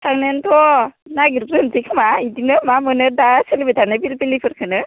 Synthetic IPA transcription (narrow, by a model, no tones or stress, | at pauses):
sʰaŋnentʰɔnaɡiɾpɾɯnzikʰɯmaidinɯmamɯnɯɾdaselibitʰanɯbiɾpilipʰɯɾkʰɯnɯ